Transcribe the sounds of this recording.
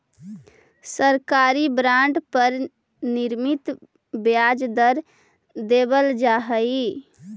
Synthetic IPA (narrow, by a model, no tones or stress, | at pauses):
səɾkaɾibɾãɳɖpəɾ | niɾmit̪ | bjad͡ʒd̪əɾ | d̪ebəld͡ʒaɦəi